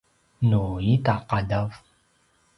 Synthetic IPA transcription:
nujitaqadav

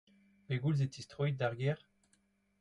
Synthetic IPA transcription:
peɡulz̬et̪ist̪χuj̚daʁɡɛʁ

